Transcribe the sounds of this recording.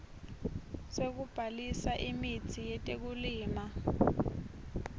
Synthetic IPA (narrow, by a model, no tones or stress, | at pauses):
sek̬ub̥ʱalisaʔimitʰijɛtʼek̬uliːma